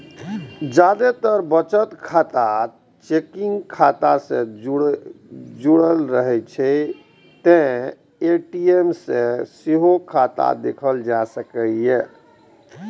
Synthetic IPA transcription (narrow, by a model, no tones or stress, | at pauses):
d͡ʒad̪et̪əɾbət͡ʃət̪kʰat̪a | t͡ʃekiŋɡkʰat̪asẽ | d͡ʒuɽəlɾəɦɛt͡ʃʰɛ | t̪ẽ | eʈiemsẽseɦokʰat̪a̰d̪ekʰəld͡ʒasəkəje